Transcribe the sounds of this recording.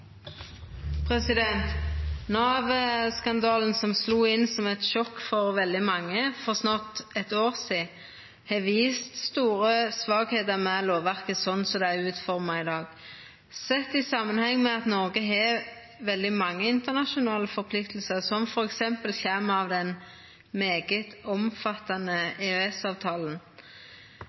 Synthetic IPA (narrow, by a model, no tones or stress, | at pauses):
pʰʁɛsɪd̪ɛnt̪nɑːʋəskɑnd̪ɑːln̩sɔmsluːɪnsɔmɛt̪ʃɔkːfɔʁʋɛld̪ɪmɑŋːəfɔʁsnɑt̪ːɛt̪oːʁsiː | hɛʋiːst̪st̪uːʁəsʋɑːɡheːt̪əʁmɛloːʋæʁkəsɔnsɔd̪ɛæʉːt̪fɔʁmɑɪd̪ɑːɡ | sɛt̪ːɪsɑmːənhɛŋːmɛɑt̪nɔɾɡəɦɛ | ʋɛld̪ɪmɑŋːəɪnt̪əʁnɑʃʊnɑːləfɔɾpʰlɪkt̪l̩səʁsɔmfɔɾɛksɛmpəlçæməɑʋd̪ɛn | meːɡət̪ɔmfɑt̪ːɑnəeɛsɑːʋt̪ʰɑːln̩